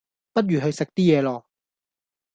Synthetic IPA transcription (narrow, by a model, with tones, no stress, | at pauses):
pɐ˥t̚ɥyː˨˩ɦɵ˧ɥsɪ˨k̚t̪iː˥jɛː˨˧lɔː˨˩